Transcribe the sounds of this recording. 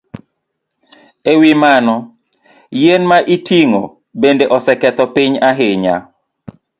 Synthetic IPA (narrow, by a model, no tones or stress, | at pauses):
ewimanɔ | jenmaʔitiŋo̰ | bendeʔɔsɛkɛt̪ɔpɪɲaɦeɲa̰